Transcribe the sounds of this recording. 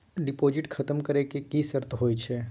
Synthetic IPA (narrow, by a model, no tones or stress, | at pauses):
ɖɪpoːd͡ʒɪʈkʰɐt̪əmkəɾekekisəɾt̪ɦoːit͡ʃʰɛː